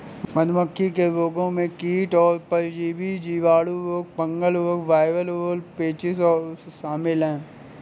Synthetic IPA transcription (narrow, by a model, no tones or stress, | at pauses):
mɐd̪məkʰːikeloːɡõmẽkiːʈɔːɾpɐɾd͡ʒiːbid͡ʒiːʋaːɽuloːk̚bɐ̃ŋɡəloːkʋaːɪʋəloːlpeːt͡ʃɪsɔːʃaːmɪlɦɛ̃ː